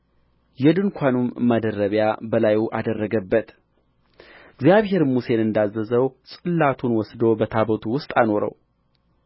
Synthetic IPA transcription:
jɛd̪ɨŋkʷʰanumːad̪ərːəβjabəlajuʔad̪ərːəɡəbːət̪ | ɨɡzijaβhe̞ɾmuse̞nɨnd̪azːəzəwsʼɨlːat̪ʰunwɔsd̪o̞bət̪ʰabət̪ʰuwʊst̪ʼano̞ɾə̰w

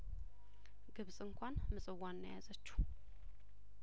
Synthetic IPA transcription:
ɡɨβsʼɨŋkʷʰanmɨsʼɨwːanːəjazət͡ʃːɛ̥

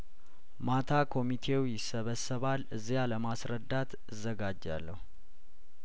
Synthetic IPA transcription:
mat̪ʰakʰo̞mit̪ʰe̞wjɪsːəβəsːəβalɨzːijaləmasɾəd̪ːat̪ | ɨzːəɡad͡ʒːa̰lːəhu

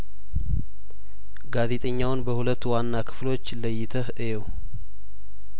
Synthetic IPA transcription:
ɡaze̞t̪ʼəɲːawnbəhulət̪ːuwanːakʰɨ̥flo̞t͡ʃːləjːɪt̪ʰəhʔejɛw

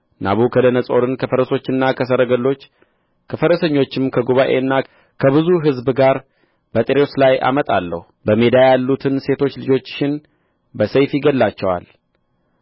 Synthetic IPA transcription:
na̰βukʰəd̪ənəsʼo̞ɾɨnkʰəfəɾəso̞t͡ʃːɨnːakʰəs̬əɾəɡəlːo̞t͡ʃː | kʰəfəɾəsəɲːo̞t͡ʃːɪmkʰəɡoβaʔe̞̰nːa | kʰəβɨzuɦɨzbɡaɾ | b̥ət̪ʼeɾewslajʔa̰mət̪ʼa̰lːə̰hubəme̞d̪ajalːut̪ʰɨnse̞t̪ʰo̞t͡ʃːlɨd͡ʒo̞t͡ʃːʃɪn | bəsəjfiɡəlːat͡ʃːɛwa̰l

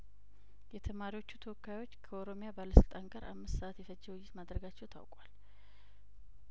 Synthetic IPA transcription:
jɛt̪ʰəmaɾiwo̞t͡ʃːut̪ʰəwɔkːajwo̞t͡ʃːkʰəo̞ɾo̞mjabaləsɨlt̪ʼanɡəɾʔa̰mːɨst̪səʔat̪jɛfəd͡ʒːəwjːɪt̪mad̪ɾəɡat͡ʃːɛwt̪ʰa̰wkʼwal

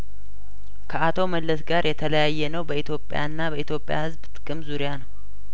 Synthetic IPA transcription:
kʰəat̪ʰo̞məlːəsɡaɾjɛt̪ʰələjajːɛnəwbəit̪ʰjopʼːja̰ɨnːabəit̪ʰjo̞pʼɪja̰hɨzbt̪ʼɨkʼɨmzuɾjanəw

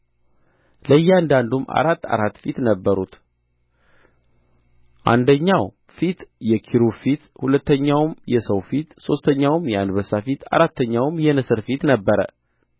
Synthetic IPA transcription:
ləjːɛand̪and̪uma̰ɾat̪ːa̰ɾat̪ːfit̪nəbːəɾut̪ | ʔa̰nd̪əɲːaw | fit̪jɛkʰiɾufit̪hulət̪ːəɲːawmjɛsəwfit̪so̞st̪ʰəɲːawmjɛand̪βəsafit̪a̰ɾat̪ːəɲːawmjɛnɨsɨɾfit̪nəbːəɾə̰

